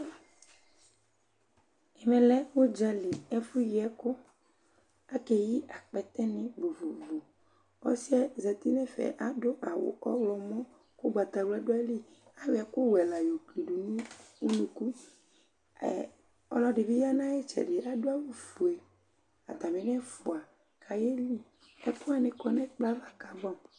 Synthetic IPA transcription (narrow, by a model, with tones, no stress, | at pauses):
ɛ˨mɛ̃˨lɛ˦wo˦d͡ʒa˦li˨ɛ˦fu˦ji˨ɛ˦ko˦ | a˦kɛ˨ji˦ʔa˨k͡pɛ˨t̪ɛ˦nɪ̃˦bo˨vo˨bo˨ | ɔ̰˦si˦ɛ˦za˨t̪i˦nɛ˦fɛ̰˨ʔa˦do˦ʔa˨wʊ̰˨ʔɔ̰˦wlɔ˨mɔ̃˦ | ko˦ɡ͡ba˨t̪a˨ɡ͡bla˦do˦ɛ˦li˦ | a˦wi˨a˨kʊ˦wɛ˨la˨jo˨kli˨ɖu˨nũ˦u˦nũ˨ku˦˨ | ɔ̰˨lɔ˦ɖɪ˨be˦ja˦nã˦je˦t͡ʃɛ̰˨ɖɪ˨ʔa˦do˦a˦wu˨fu˨e˨ | a̰˨t̪a˨me˨nɛ̃˦fu˨a˨ | kʰa˨je˦li˦ | ɛ˦ko˦a˨nẽ˨kɔ˨nɛ̃˦k͡pla˦va˨ka˨bɔ˦˨m